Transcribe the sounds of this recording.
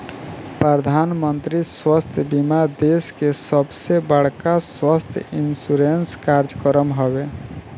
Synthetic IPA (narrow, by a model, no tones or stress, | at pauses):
pɾəd̪ʱaːnmənt̪ɾiswəst̪ʰjbimad̪eskesəbsebəɽ̤kaswəst̪ʰjinsuɾenskaɾd͡ʒkəɾəmɦowe